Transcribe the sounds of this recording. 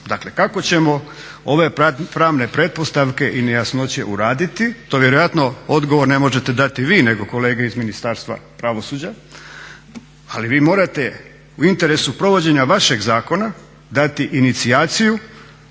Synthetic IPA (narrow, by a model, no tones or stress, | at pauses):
d̪akle̞kako̞t͡ɕe̞mo̞ | o̞ʋe̞pɾaːʋne̞pɾe̞t̪̚po̞st̪aʋke̞ʔinejasno̞t͡ɕe̞̰ʔṵɾaːd̪it̪it̪o̞ːʋje̞ɾo̞jat̪nood̪ɡo̞ʋo̞ɾne̞mo̞ʒe̞t̪ed̪at̪iʋiːne̞ɡo̞ko̞le̞ːɡeizminist̪aːɾst̪ʋa̰pɾaʋo̞suːd͡ʑa | aliʋiːmo̞ːɾat̪e̞ | uint̪e̞ɾe̞supɾo̞ʋo̞d͡ʑe̞ɲaʋaʃe̞ɡzaːko̞na | d̪at̪iʔinit̪siaːt̪siju